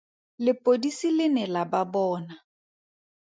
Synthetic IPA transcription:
lɪpʼodisilɪnɪlababɔːna

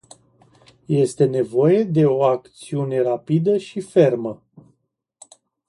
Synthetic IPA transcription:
je̞st̪e̞ne̞vo̞je̞d̪e̞o̞akt̪siune̞ɾapid̪əʃife̞rmə

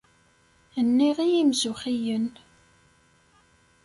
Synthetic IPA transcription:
ənːiʁijimzuχijən

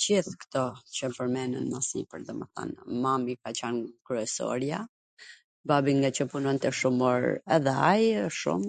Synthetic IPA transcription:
d͡ʑiθkt̪ɔt͡ɕəpəɾmɛnə̰nmasḭpəɾðɛmə̰θa̰nmamikat͡ɕankɾuɛsɔ̰ɾja | babiŋɡat͡ɕəpunɔnt̪ɛʃumɔɾɛðɛajʃṵm

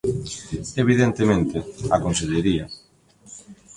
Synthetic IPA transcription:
eβ̞iðent̪emẽnt̪ɪakonseðeɾia

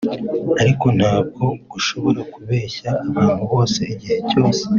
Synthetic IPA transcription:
aɾiko̞n̥haːb̚ɡo̞ɡ̥uʃo̞βo̞ɾakuβeːçaːβaːnhuβo̞ːse̞iɟihe̞co̞ːse̥

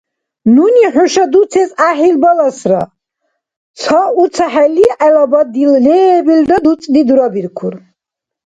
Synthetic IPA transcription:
nuniħuʃad̪usʰɛsaħilbalasɾa | t͡sʰɔut̪sʰaħɛliʔɛlabad̪ilːɛːbild̪ad̪ut͡sʼd̪id̪uɾabiɾkʰuɾ

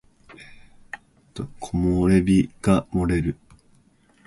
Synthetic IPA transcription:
t̪okʰomoɾe̞bʲiɡ̥amo̞ɾe̞ɾɯ̟

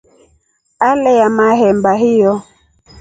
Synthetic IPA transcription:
alɛjamaɦɛmbaɦijɔ

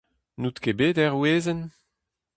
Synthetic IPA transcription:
nut̪kebeːdɛʁweːzən

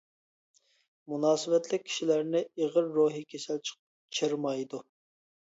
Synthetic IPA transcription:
munɑːsɨvɛt̪lɪk̚ʲʰːi̥ʃilæɾnɪeʁəɾːoɦikʲʰesælt͡ʃʰə̥q | t͡ʃʰəɾmɑjd̪u

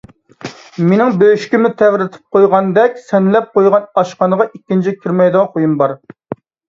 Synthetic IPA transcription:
menɪŋbøyʃkʲimɪt̪ʰɛwɾɪt̪ʰɪ̥p̚qʰojʁɑnd̪ɛkʲsɛnlɛp̚qojʁɑnɑʃqɑnəʁɑʔikʲːint͡ʃʰikʲʰiɾmɛjd̪ɑnχojumbɑɾ

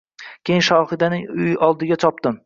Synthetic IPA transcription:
kʲejɪnʃɒhɪd̪anɪʊjʔɒlˠd̪ɪɡʲat͡ʃʰɒpt̪ɪm

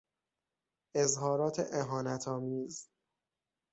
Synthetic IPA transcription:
ʔezɦɒːɾɒːt̪ʰḛʔeɦɒːnæt̪ʰɒːmiːz

